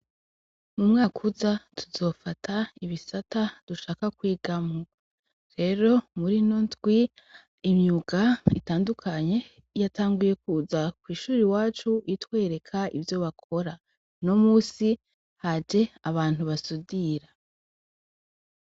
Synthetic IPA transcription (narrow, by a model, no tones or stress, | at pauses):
mumŋaːkʰuzatʰuzo̞ːfatʰaiβisatad̥uʃaːkakwiːɡamo | ɾe̞ɾo̞muɾinontɡwi | imɲuɡ̥aḭtaːndukʰaɲe̞ | jataːŋɡuje̞kuzakwiːʃuːɾiwaːt͡ʃuʔitwe̞ːɾe̞kʰaivjo̞βakʰo̞ɾa | no̞muːsi | had͡ʒe̞aβaːn̥uβasudiɾa